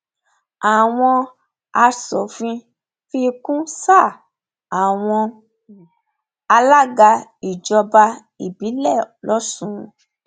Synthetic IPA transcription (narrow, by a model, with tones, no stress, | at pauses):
a˨w̃ɔ̃˧ | a˧sɔ˨fĩ˧ | fi˦˧kũ˦sa˦˨ | a˨w̃ɔ̃˧ | a˧la˦ɡa˧i˨d͡ʒɔ˧ba˧ | i˨bi˨˦lɛ˦˨lɔ˦sũ˦˧